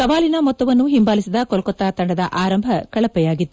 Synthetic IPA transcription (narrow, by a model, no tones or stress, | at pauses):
sɐʋaːlinɐmɔt̪ːɐʋɐnːuɦimbaːlisid̪ɐkɔlkɔt̪ːaːt̪ɐɳɖɐd̪ɐ̰ʔaːɾɐmbʱɐkɐɭɐpːɛjaːɡit̪ːu